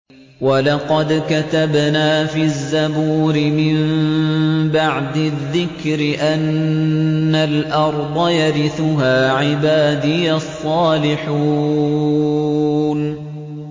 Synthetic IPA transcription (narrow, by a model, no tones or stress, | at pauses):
wɑlɑqɑd̪kat̪abnaːfizːabuːɾɪmɪm | baʕd̪ɪðːɪkɾɪʔanː | alʔɑɾˤd̪ˤɑjaɾɪθʊɦaːʕɪbaːd̪ɪjasˤːɑːlɪħuː | n